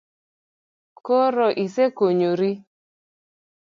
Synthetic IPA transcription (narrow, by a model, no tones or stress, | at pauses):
koɾɔʔisekoɲoɾi